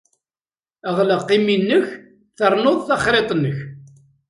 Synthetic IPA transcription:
əʁləqːiminːəç | θəɾˤnoðˤθɑχɾet̪ˤnəç

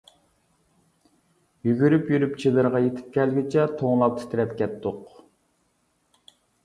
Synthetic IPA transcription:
jyɡʲyɾypjyɾypt͡ʃʰid̪ɨɾʁɑjet̪ʰɪ̥p̚kʲʰɛlɡʲit͡ʃʰɛt̪ʰoŋlˠɑp̚t̪ʰɪ̥t̪ɪɾɛpkʲɛt̪ːʊq

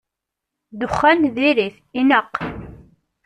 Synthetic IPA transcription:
d̪ʊχːænðiɾiθ | inəqː

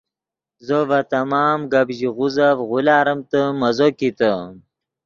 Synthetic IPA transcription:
zəvɐt̪ɐmɑːmɡɐbʑiʁuzavʁʊlaːɾɐmt̪əmɐzokit̪ə

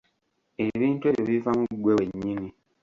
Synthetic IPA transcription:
eβiːntwe̞βjoβifamuɡweweɲːini

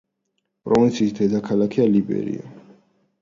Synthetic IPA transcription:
pʼɾɔvint̪sʰiːsd̪ɛd̪akʰalakʰialibɛ̰ɾḭɔ

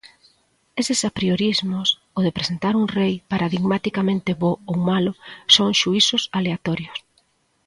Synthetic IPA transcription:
esɪsapɾioɾizmʊs | oð̞epɾesent̪aɾuŋrejpaɾaðiɣmat̪ikamẽnt̪ɪβoowmalʊsoŋʃuisʊsaleat̪ɔɾjʊs

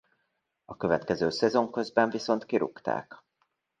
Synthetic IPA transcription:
ɒkø̞vɛt̪kɛzøːsɛzo̞ŋkø̞zbɛɱviso̞nt̪kiɾṵkt̪a̰ːk

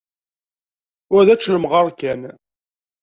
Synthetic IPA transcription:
ʊɾðæt͡ʃːləmʁɑɾkæn

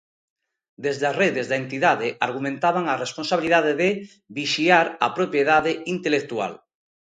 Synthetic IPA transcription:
d̪ezðazreðɪzðɐent̪iðaðɪʔaɾɣumẽnt̪aβaŋaresponsaβiliðaðeðɪ | biʃiaɾɐ̰pɾopjeðaðɪint̪elek̚t̪ua̰l

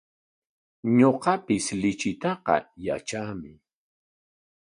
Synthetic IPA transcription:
ɲoqɑpɪslɪt͡ʃɪt̪ɑqɑ̰ja̰t͡ʃaːmɪ

